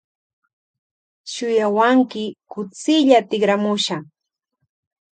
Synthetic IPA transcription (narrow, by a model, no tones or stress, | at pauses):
ʃʊjawaŋkɪkʊt͡sɪʎat̪ɪɢɾamʊʃaŋ